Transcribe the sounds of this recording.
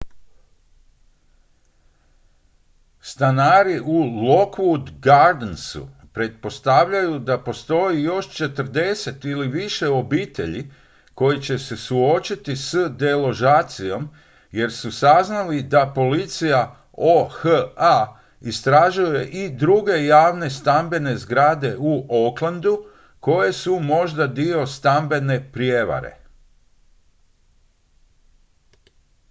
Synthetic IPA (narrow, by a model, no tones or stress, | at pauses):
st̪anaːɾiʔulo̞kʋud̪ɡaɾd̪nsṵpɾe̞t̪̚po̞st̪aʋʎajud̪apo̞st̪o̞jijo̞ʃt͡ʃe̞t̪əɾd̪e̞se̞t̪iliʋiʃe̞o̞biːt̪e̞̰ʎi | ko̞jit͡ɕe̞se̞suo̞t͡ʃit̪isəd̪e̞lo̞ʒaːt̪sijo̞m | je̞ɾsusaznalid̪apo̞lit̪sija | oxəa | ist̪ɾaʒuje̞ʔid̪ɾuɡe̞jaːʋne̞st̪ambe̞ne̞zɡɾad̪e̞uʔoklˠand̪u | ko̞je̞sumo̞ʒd̪ad̪io̞st̪ambe̞ne̞pɾjeʋa̰ɾe̞̰